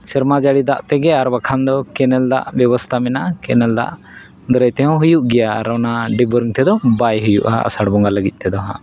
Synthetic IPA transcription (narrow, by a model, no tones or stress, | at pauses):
siɾmad͡ʒaɽid̪aʔt̪ɛɡɛaɾbakʰand̪ɔkɛnɛld̪a̰ʔbjɔbɔst̪ʰamɛnaʔkɛnɛld̪a̰ʔ | d̪ɔɾɛjt̪ɛɦɔ̃ɦujuʔɡɛja̰ːɾɔnaɖibɔɾŋt̪ɛd̪ɔbajɦujuʔa̰a̰saɽbɔŋɡaləɡit̪̚ˀt̪ɛd̪ɔɦã̰